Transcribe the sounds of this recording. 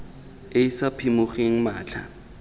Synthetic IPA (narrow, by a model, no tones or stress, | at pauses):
ɪisapʰimʊχeŋ̩maːt͡ɬʰa̰